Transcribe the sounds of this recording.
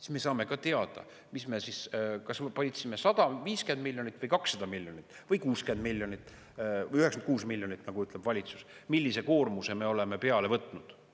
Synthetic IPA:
si̥sme̞sɑːme̞kɑt̪e̞ɑd̪̥ɑ̰ | misme̞siskɑspɑlʲit̪sime̞sɑd̪̥ɑviːske̞nd̪milʲjonit̪ːˑvɤjkɑksːɑd̪ɑmilʲjonit̪ːˑvɤjkuːske̞nd̪milʲjonit̪ˑː | yheksɑnkuːsmilʲjonit̪ːˑnɑɡ̥uyt̪ːˑleb̥vɑlʲit̪su̥smilʲːise̞ko̞ːrmuse̞me̞o̞le̞me̞pe̞ɑle̞vɤt̪ːˑnud̪̥

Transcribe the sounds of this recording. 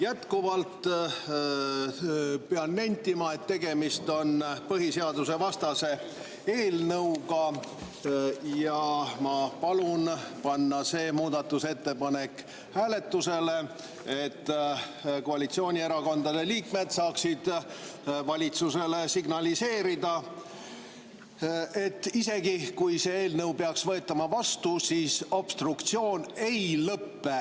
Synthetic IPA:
jæt̪kuvɑlt̪ | peɑnːenʲt̪ːimɑe̞t̪ːe̞ɡe̞mist̪o̞npɤɦiseɑd̪use̞vɑst̪ɑse̞ | eːlnɤwɡɑ | jɑmɑpɑlunpɑnːɑse̞ːmuːd̪̥ɑt̪ːuse̞t̪ːe̞pɑne̞kː | hæːle̞t̪ːuse̞le̞ | et̪ːko̞ɑlit̪sio̞ːnʲie̞ɾɑko̞nd̪ɑd̪̥e̞liːkme̞d̪̥sɑːksid̪̥ | vɑlʲit̪suse̞le̞siɡnɑlise̞ːɾid̪̥ɑ | e̞t̪ːise̞ɡikujse̞eːlnəwpeɑksvɤ̞e̞t̪ːˑɑmɑvɑst̪usiːso̞b̥st̪rukt̪sio̞ːne̞jlɤpːe̞

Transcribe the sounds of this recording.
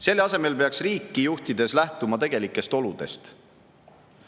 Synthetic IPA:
se̞lːeɑse̞melpe̞ɑksriːkˑːijuht̪id̪e̞slæht̪umɑt̪e̞ɡ̥e̞likːˑe̞st̪o̞lud̪̥e̞̰st̪

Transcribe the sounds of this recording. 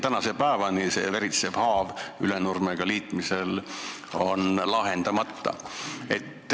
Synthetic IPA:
t̪ænɑse̞pæevɑnise̞̰veɾit̪se̞vhɑːvylenurmeɡ̥ɑliːt̪ˑmise̞l | o̞nlɑɦend̪̥ɑmɑt̪ːɑ̰e̞̰t̪ːˑ

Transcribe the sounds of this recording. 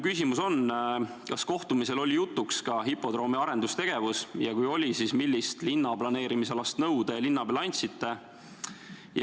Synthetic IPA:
kysʲimuso̞n | kɑsko̞ht̪umise̞lo̞lʲijut̪ːˑukskɑɦipːo̞d̪̥ɾo̞ːmiɑɾe̞nd̪ust̪e̞ɡ̥e̞vusjɑkujo̞lʲisismilʲːist̪linːɑb̥lɑne̞ːɾimiselɑst̪nɤwd̪̥elinːɑbɑlɑnʲt̪sit̪ːˑe̞ | j

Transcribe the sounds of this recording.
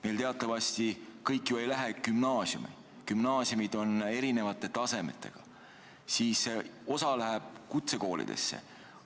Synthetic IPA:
me̞jlt̪eɑt̪ˑːɑvɑsʲt̪ikɤjkːˑjuejlæɦekymnɑːsjṵmḭ | kymnɑːsjumid̪̥o̞ne̞ɾine̞vɑt̪ːˑe̞t̪ɑse̞mḛt̪ːˑe̞̰ɡ̥ɑ | siːseo̞sɑlæɦæb̥̚kut̪se̞ko̞ːlḭd̪̥e̞̰sːḛ

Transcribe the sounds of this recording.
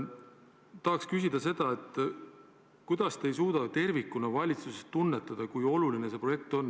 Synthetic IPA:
t̪ɑɦɑkskysid̪̥ɑse̞d̪̥ɑe̞t̪ːˑ | kujd̪̥ɑst̪e̞jsuːd̪ɑt̪e̞rvikːˑunɑvɑlʲit̪susest̪ːunːe̞t̪ːˑɑd̪̥ɑkujo̞luline̞se̞pro̞je̞k̚t̪o̞nː

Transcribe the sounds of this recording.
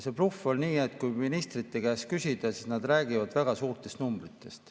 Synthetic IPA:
se̞plufo̞lniːe̞t̪ːkujminist̪rit̪ːe̞kæːskysid̪̥ɑsisnɑd̪ræːɡivɑd̪̥væɡ̥ɑsuːrt̪e̞st̪numbrit̪ːˑe̞st̪

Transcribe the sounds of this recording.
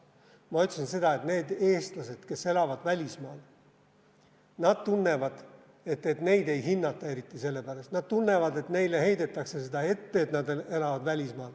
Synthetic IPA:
mɑot̪ʲsinse̞d̪̥ɑet̪ne̞ːd̪e̞ːst̪lɑse̞d̪̥ke̞sːe̞lɑvɑd̪̥vælʲismɑːl | nɑd̪̥̚t̪unːe̞vɑd̪̥ | e̞t̪ːet̪ne̞jd̪e̞jɦinːɑt̪ːˑɑe̞ɾit̪ˑːise̞lːepæɾɑst̪nɑd̪̥̚t̪unːe̞vɑd̪e̞t̪ne̞jle̞he̞jd̪e̞t̪ːˑɑkse̞sed̪̥ɑe̞t̪ːe̞ːt̪nɑd̪e̞lɑvɑd̪vælʲismɑːl

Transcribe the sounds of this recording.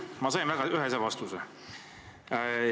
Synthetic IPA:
mɑsɑjnvæɡ̥ɑyɦesevɑst̪use

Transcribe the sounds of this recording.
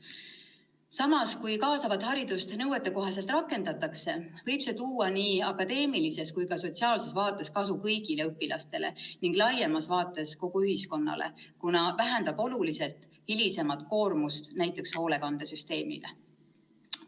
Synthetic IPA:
sɑmɑskujkɑːsɑvɑd̪hɑɾid̪̥ust̪nɤwet̪ːˑeko̞ɦɑse̞lt̪rɑkːˑe̞nd̪ɑt̪ːˑɑkse̞vɤjb̥se̞t̪uːwɑniːɑkːˑɑd̪e̞ːmilise̞skujkɑso̞t̪ʲsiɑːlse̞svɑːt̪ːˑe̞skɑsukɤjɡ̥ileɯpːˑilɑst̪e̞lḛniŋɡ̥lɑjemɑsvɑːt̪ːˑe̞sko̞ɡ̥uyhisko̞nːɑ̰lḛkunɑvæɦænd̪̥ɑb̥o̞lulise̞lt̪ˑ | hilise̞mɑt̪ˑko̞ːrmust̪næjt̪ːˑe̞ksho̞ːle̞kɑnd̪̥esyst̪e̞ːmḭlḛ

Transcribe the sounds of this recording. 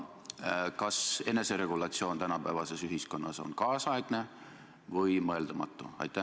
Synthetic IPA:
kɑse̞ne̞se̞ɾe̞ɡ̥ulɑt̪sio̞ːnt̪ænɑpæevɑse̞syɦisko̞nːɑso̞̰nkɑːsɑeɡ̥ne̞ | vɤjmɤeld̪̥ɑmɑ̰t̪ːˑuɑ̰jt̪ːˑæ

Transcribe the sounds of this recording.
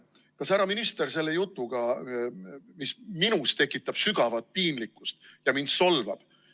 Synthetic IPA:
kɑsæɾɑminist̪e̞ɾse̞lːe̞jut̪ˑːuɡ̥ɑ | misminust̪e̞kːˑit̪ːˑɑb̥syɡ̥ɑvɑt̪̚piːnlikːˑust̪jɑmind̪so̞lvɑb̥

